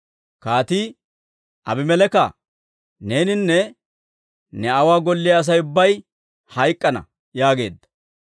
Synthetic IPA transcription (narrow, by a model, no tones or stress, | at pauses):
kaːt̪iː | ʔɐbɪmɛlɛkɐ | ne̞ːnɪnːɛ | nɛɐwaːɡɔlːɪjɐːs̬ɐjʊbːɐj | hɐjkʼːɐnɐ̰ | jaːɡe̞ːd̪ːɐ̥